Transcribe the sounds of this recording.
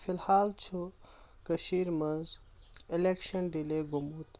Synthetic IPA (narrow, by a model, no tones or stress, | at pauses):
filhaːlt͡ʃʰu | kɐʃiːɾmɐnz | ilekʃɐnɖileːɡumut̪